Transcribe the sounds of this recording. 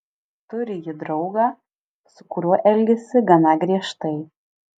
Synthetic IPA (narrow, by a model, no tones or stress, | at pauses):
t̪ʊɾʲɪjɪd̪ɾɐʊɡɑː | sʊ̥kʊɾʲuɔʔɛlʲɡʲɛsʲɪɡɐnɑːɡɾʲiɛʃt̪ɐɪ